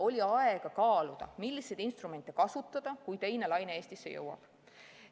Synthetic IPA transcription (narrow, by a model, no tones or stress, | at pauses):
o̞lʲiɑeɡ̥ɑkɑːlud̪̥ɑ̰milːise̞jd̪inst̪rume̞nt̪ːˑekɑsut̪ːˑɑd̪̥ɑkujt̪e̞jne̞lɑjneeːst̪isːejɤ̰wɑ̰b̥